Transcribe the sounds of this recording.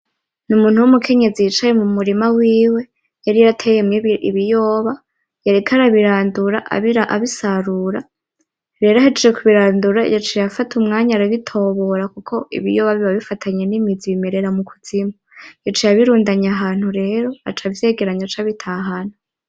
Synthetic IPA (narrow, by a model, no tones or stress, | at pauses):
numuːn̥huwumukʰe̞ɲe̞zijit͡ʃajemumuɾimawiːwe̞ | jaɾijaɾatʰejemɲeβiʔiβijo̞ːβa | jaɾekʰaɾaβiɾaːnduɾaʔa̰βiɾaʔaβisaɾuɾa | ɾe̞ːɾoahed͡ʒed͡ʒekuβiɾaːnduɾaḭjat͡ʃejafatʰumŋaːɲaɾaβitʰo̞βoɾakukʰo̞ḭβḭjoβaβiβaβifatʰaɲenimid͡ziβime̞ɾe̞ɾamukʰuz̥imojat͡ʃejaβiɾuːndaɲaɦaːn̥huɾe̞ːɾo̞a̰t͡ʃavje̞ːɡe̞ɾaɲat͡ʃaβitʰaɦana